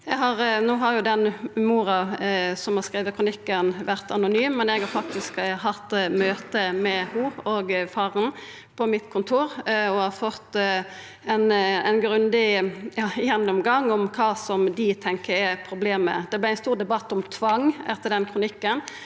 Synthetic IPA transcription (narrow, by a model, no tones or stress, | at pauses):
jɛɡɦɑɾnoːɦɑɾjʊd̪ɛnmuːɾɑsɔmhɑʁskɾiːʋəkʰɾʊnɪkːənʋæʁt̪ɑnʊnyːmːɛnɛɡhɑɾfɑk̚t̪ɪskɦɑt̪ːmøːt̪əmɛhuːoːɡfɑːʁən | pʰɔmɪt̪kʰʊnt̪ʰuːɾɔhɑfɔt̪ː | ɛnɛ̰ɪnɡɾʉnd̪ɪjɑːjɛnːʊmɡɑŋːɔmkʰɑːsɔmd̪ɪt̪ʰɛŋkəɾɛpʰɾʊbleːmə̰d̪ɛblɪæɪnst̪uːʁd̪ɛbɑt̪ːʊmt̪ʰʋɑŋɛt̪ːəd̪ɛnkʰʁʊnɪkːən